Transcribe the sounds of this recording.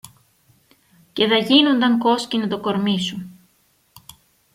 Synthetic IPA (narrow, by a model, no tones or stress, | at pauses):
ce̞ðɐʝino̞nd̪ɐŋko̞scinɐt̪o̞ko̞ɾmisun